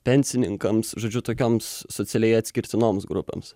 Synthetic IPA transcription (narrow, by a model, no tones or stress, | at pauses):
pʲɛnʲsʲɪnʲɪŋkɐmsʒoːd͡ʒʲʊt̪oːkʲoːmsːot̪sʲɛlʲɛɪɐt̪ʲsʲkʲɪɾʲt̪ʲɪnoːmsɡɾʊpʲḛːms